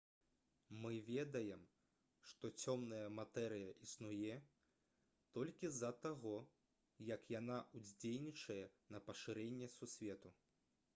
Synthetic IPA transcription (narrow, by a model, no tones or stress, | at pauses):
mɨvʲɛd̪ɐjɛm | ʂt̪ɔt͡sʲɔmnɐjɐmat̪ɛɾɨjɐʔisnujɛ | t̪ɔlʲkʲizɐt̪aɣɔ | jɐkjanaʔuzʲd͡zʲelʲnʲit͡ʂɐjɛnɐpɐʂɨɾɛnʲːɛsusʲvʲɛt̪u